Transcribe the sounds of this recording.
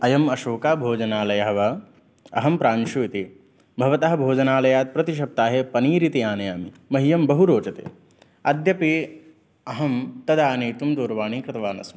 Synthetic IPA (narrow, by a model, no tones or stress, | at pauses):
ɐjɐmɐʃoːkaːbʱoːd͡ʒɐnaːlɐjɐɦɐʋɐ | ɐ̰ɦɐmpɾaːnʃuːit̪i | bʱɐʋɐt̪ɐɦɐbʱoːd͡ʒɐnaːlɐjaːt̪̚pɾɐt̪iʃ̬ɐp̚t̪aːɦepɐniːɾit̪iaːnɐjaːmimɐɦijɐmbɐɦuɾoːt͡ʃɐt̪ḛː | ɐd̪ʱjɐpi | ɐɦɐmt̪ɐd̪aːniːt̪umd̪oːɾʋaːɳiːkɾɪt̪ɐʋaːnɐ̰smɐ